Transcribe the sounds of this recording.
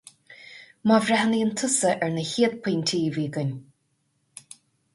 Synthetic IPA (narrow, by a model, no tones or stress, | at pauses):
mɑvɾɛɦəniːənt̪ʰʊsəʔɛɹnəhiːd̪̚pʰiːnʲt̪ʰiːviːɡənʲ